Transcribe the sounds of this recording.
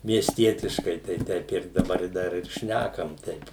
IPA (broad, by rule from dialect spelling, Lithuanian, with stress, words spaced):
mʲiɛsʲˈtʲiɛtʲɪʃkɐɪ tɐɪ ˈtʲɛɪp ɪr dɐˈbɐr ɪ ˈdɐr ɪr ˈʃʲnʲækɐm ˈtʲɛɪp